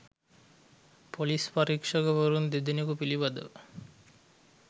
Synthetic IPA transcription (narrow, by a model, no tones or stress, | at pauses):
polispaɾikʃɔɡebɔɾund̪id̪inikupilibad̪ə̰